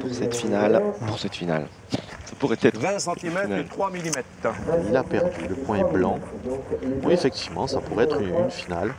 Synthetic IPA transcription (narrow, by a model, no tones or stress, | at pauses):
puʁsɛt̪finalpuʁsɛt̪fina̰l | sḁpuʁɛt̪ɛt̪vɛ̃sɑ̃t̪imɛtnadət̪χwamilimɛt̪ilapɛʁd̪yləpwɛ̃ɛblɑ̃ | ɔ̰̃efɛk̚t̪ivmɑ̰̃sapuʁɛɛt̪χyynfinal